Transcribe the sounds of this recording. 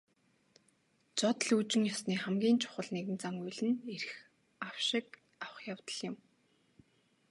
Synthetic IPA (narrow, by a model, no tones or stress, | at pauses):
t͡sɔt̪̆ɮut͡ɕɪ̆ŋjɔsniːχæmɡʲiːnt͡ɕʰʊ̥χə̆ɮneɣɘ̆nt͡saŋujɮɘ̆neɾɘ̆x | aw̥ʃɪ̆k | awə̆χjawt̪ə̆ɮjɪ̆m